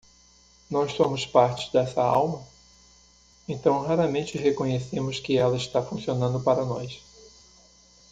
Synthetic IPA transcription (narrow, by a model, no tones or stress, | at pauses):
nɔssõmʊspaɾt͡ʃɪ̥d̪ɛsɐa̰wmɐ | ẽnt̪ɐ̃w̃ɦaɾɐmẽnt͡ʃɪɦekõɲesẽmʊskɪɛlɐɪst̪afũsionɐ̃nd̪ʊpaɾɐnɔ̰js